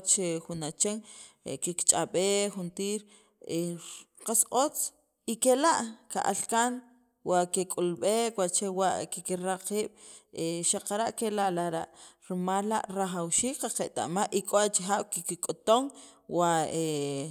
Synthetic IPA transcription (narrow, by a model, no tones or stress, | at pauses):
t͡ʃexunat͡ʃeŋ̰kikt͡ʃʼaɓexunt̪iːɾ | eqasot͡s | ikelaʔka̰ʔa̰lkan | wakekʼulɓekwaʔt͡ʃewaʔkikiɾaqiːɓ̥eʃaqaɾaʔkelaʔlaɾaʔɾimalːa̰ʔɾaχawʃiːkqaqeʔt̪a̰ʔmaʔʔikʼoat͡ʃixaːɓ̥kikikʼot̪oŋ | wae